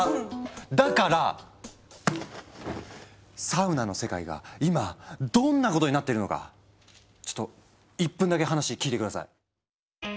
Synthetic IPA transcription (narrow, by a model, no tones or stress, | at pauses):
d̪akaɾa | saɯ̟nanose̞ka̰ḭɡa̰imad̪õ̞nːako̞t̪o̞ɲinat̪ːeɾɯ̟no̞ka̰ | t͡ɕo̥t̪ːo | ipːɯ̃nd̪ake̞ɦanaɕikʲiːt̪e̞kɯ̟d̪asa̰i